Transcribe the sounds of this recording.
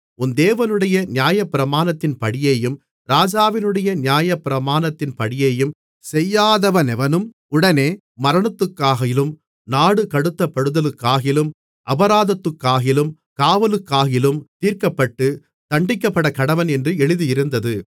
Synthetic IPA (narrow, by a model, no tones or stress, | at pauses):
ʊnd̪eːʋɐnɯɽɐjɐnɪjaːjɐpːɪɾɐmaːnɐt̪ːɪnpɐɽɪjeːjɯm | ɾaːd͡ʒaːʋɪnɯɽɐjɐnɪjaːjɐpːɪɾɐmaːnɐt̪ːɪnpɐɽɪjeːjɯm | sɛjːaːðɐʋɐnɛʋɐnɯm | ʊɽɐneː | mɐɾɐɳɐt̪ːɯkːaːɣɐjɪlɯm | naːɽɯkɐɽɯt̪ːɐpːɐɽɯðɐlɯkːaːɣɪlɯm | ʔɐbɐɾaːðɐt̪ːɯkːaːɣɪlɯm | kaːʋɐlɯkːaːɣɪlɯmt̪iːɾkɐpːɐʈːɯ | t̪ɐɳɖɪkːɐpːɐɽɐkɐɽɐʋɐnɛndrɯɛɭɯðijɪɾɯnd̪ɐðɯ